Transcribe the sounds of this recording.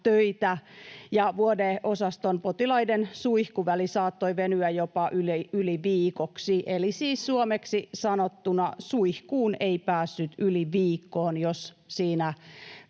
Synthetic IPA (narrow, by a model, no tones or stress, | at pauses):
t̪øit̪æjɑʋuodeʔosɑst̪onpot̪ilɑidensuihkuʋælisɑːt̪ːoiʋenyæjopɑʔylyliʋiːkoksiʔelisiːssuomeksisɑnot̪ːunɑsuihkuːneipæːsːyt̪yliʋiːkːoːnjos | siːnæ